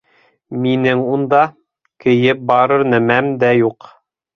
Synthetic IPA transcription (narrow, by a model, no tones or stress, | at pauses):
minɘŋund̪ɑ | kɘ̆jɘp̚bɑɾɤ̆ɾnæmæmd̪æjuq